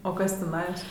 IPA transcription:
oː ˈkɐs tʲɪˈnɑːjoːs

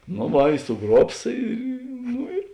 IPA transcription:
noː ˈʋɐ ɪ sʊˈɡruɔps ˈiː ˈnʊ ɪr

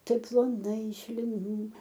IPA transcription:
ˈtɐɪp plˠoːˈnɐɪ ɪʃ lʲɪˈnuː

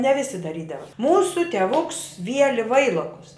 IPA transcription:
nʲɛ ˈʋʲɪsʲɪ dɐˈrʲiːdɐʋɐ ˈmuːsʊ tʲɛˈʋʊks ˈʋʲiɛlʲɪ ˈʋɐɪlˠoːkʊs

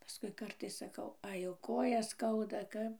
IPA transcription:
pɐˈskʊɪ ˈkɐrtɐɪs sɐˈkɐʊ ˈɐɪ ˈjɛʊ ˈkoːjɛs ˈskɐʊdɐ ˈkɐp

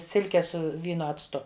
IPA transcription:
ˈsʲɪlʲkʲɛ ˈsʊ ˈʋʲiːnoː ɐt͡sˈtʊ

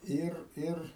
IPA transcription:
ˈɪr ˈɪr

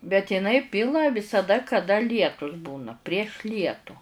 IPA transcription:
bʲɛt ɪˈnɐɪ ˈpʲɪlˠɐ ʋʲɪsɐˈdɐ kɐˈdɐ ˈlʲiɛtʊs ˈbuːnɐ pʲrʲiɛʃ ˈlʲiɛtʊ

